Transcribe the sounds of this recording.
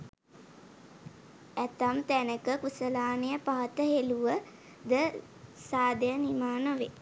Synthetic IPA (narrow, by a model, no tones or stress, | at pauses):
æt̪amt̪ænəkəkusəlaːnejəpaɦət̪əɦeluʋə | d̪ə | saːd̪əjənimaːnəʋḛ